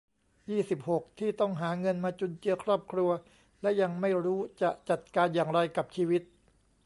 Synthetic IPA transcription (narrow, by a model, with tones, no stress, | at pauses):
jiː˥˩si˨˩p̚ho˨˩k̚t̪ʰiː˥˩t̪ɔ˥˩ŋɦaː˩˦ŋɤ˧nmaː˧t͡ɕu˧nt͡ɕɯ˧ɐkʰɾɔː˥˩p̚kʰɾu˧ɐ | lɛ˦˥ʔja˧ŋma˥˩jɾuː˦˥t͡ɕa˨˩ʔt͡ɕa˨˩t̪̚kaː˧njaː˨˩ŋɾa˧jka˨˩p̚t͡ɕʰiː˧wi˦˥t̪̚